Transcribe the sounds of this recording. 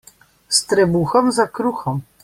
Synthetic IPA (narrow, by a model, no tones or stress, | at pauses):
st̪ɾɛbuxɔmzakɾuxɔm